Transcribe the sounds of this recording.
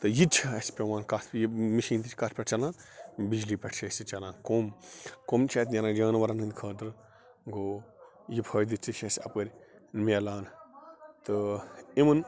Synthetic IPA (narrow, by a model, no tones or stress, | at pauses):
t̪ɨjit͡ʃʰɐɐsi̥pʲeʋãːnkat̪ʰpʲjimiʃiːnt̪it͡ʃʰkat̪ʰpʲɐʈʰt͡ʃɐlãːnbid͡ʒliːpʲɐʈʰt͡ʃʰɐsit͡ʃɐlãːnkoːmkoːmt͡ʃʰɐːt̪ʲnʲɐɾaːd͡ʒɐːnʋɐɾɐnɨnd̪ʲkʰɐːd̪ɨɾ | ɡoː | jipʰɐːd̪it͡ʃit͡ʃʰɐsʲɐpɡɐɾʲnmʲeːlaːn | t̪ɨimɨn